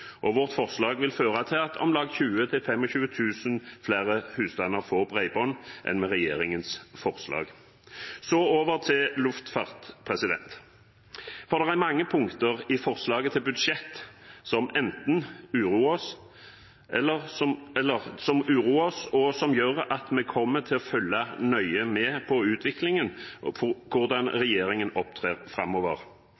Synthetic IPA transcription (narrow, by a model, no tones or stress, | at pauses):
ʔɔʋɔʁt̪fɔʁslɑːɡʋɪlføːʁɑt̪ʰɪɑt̪ʰɔ̰mlɑːɡçʉːət̪ʰɪlfɛmɔçʉːət̪ʰʉːsənflæːʁəhʉːsd̪ɑnəʁfɔʁbʁæɪbɔnːʔɛ̰nmɛʁɛjḛːʁɪŋənsfɔʁslɑ̰ːɡ | sɔoːʋəʁt̪ʰɪllʉft̪fɑːʁt̪pʰʁɛsɪd̪ɛ̰nt̪ | fɔʁd̪ɛʁæmɑŋːəpʰʊŋkt̪əʁɪfɔʁslɑːɡət̪ʰɪlbʉd̪ʂɛt̪ːsɔmɛnt̪n̩ʉːɾuːɔs | ʔɛlːəʁsɔɛlːəʁsɔmʉːɾuːɔsɔsɔmjøːʁɑt̪mɛkʰɔmːət̪ʰɪlɔfœlːɑnœʏəmɛpʰɔʉːt̪ʰʋɪklɪŋən | kʰʊʁd̪ɑnɾɛjeːɾɪŋənɔpt̪ʰʁeːʁfɾɑ̰mːɔːʋə̰ʁ